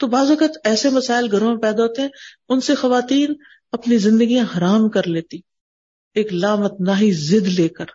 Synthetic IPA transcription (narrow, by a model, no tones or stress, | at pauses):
t̪obaːzʋɐkət̪ɛːsemɐsaːɪlɡʱɐɾõmẽpɛːd̪aɦoːt̪eɦɛ̃ːʊnsexɐʋaːt̪iːn | ɐpnizɪ̃nd̪əɡijãɦɐɾaːmkɐɾleːt̪i | eːklaːmət̪̚naːɦizɪd̪leːkəɾ